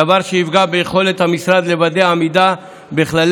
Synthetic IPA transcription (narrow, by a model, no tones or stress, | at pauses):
avaʁʃeivɡabejeχo̞le̞t̪hamisʁad̪le̞vad̪eaːmid̪a | beχlal